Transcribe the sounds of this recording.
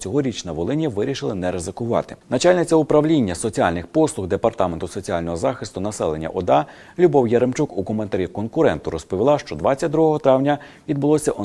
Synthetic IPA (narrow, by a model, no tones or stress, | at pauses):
t͡sʲɔɦɔɾʲit͡ʃnɐʋɔlˠɪnʲjɐʋɪɾʲiʃɪlˠɪnɛɾezɪkʊʋɑ̰t̪ɪnɐt͡ʃɑlʲnɪt͡sʲɐʊpɾɐʋlʲinʲːɐsɔt͡sʲialʲnɪxpɔslˠʊɣd̪e̞pɐrt̪ɑment̪ʊsɔt͡sʲialʲnɔɦɔzɑxɪst̪ʊnɐsɛlˠe̞nʲːɐ̰ʔɔd̪ɑ | lʲubɔwjeɾemt͡ʃukukɔment̪ɐɾʲikɔnkʊɾɛnt̪ʊɾɔspɔʋʲilˠɑʃt͡ʃɔd̪ʋɑt͡sʲːɐt̚ʲd̪ɾuɦɔɦɔt̪ɾɑwnʲɐ | ʋʲid̪̚bʊlˠɔsʲɐʔɔ